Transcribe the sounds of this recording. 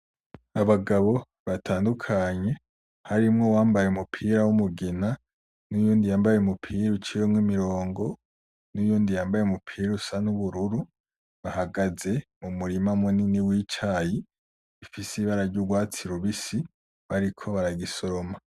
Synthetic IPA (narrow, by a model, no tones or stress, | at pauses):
aβaɡaβo̞ | βatʰaːndukʰaɲe̞ | haɾimŋo̞waːmbajeumupʰiːɾawumuɡena | nujuːndijaːmbajeumupʰiːɾut͡ʃijomŋimiɾo̞ːŋɡo̞ | nujuːndijaːmbajemupʰiːɾusanuβuɾuɾu | βahaɡaze̞mumuɾimamuniniwiːt͡ʃaji | ifisiβaɾaɾɟuɡwaːt͡siɾuβisi | βaɾikʰo̞βaɾaɡiso̞ɾoma